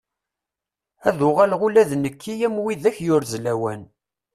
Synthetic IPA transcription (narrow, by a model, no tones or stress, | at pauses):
æðʊʁælʁʊlæðnəkʰːijæmwiðæçjʊɾzlæwæn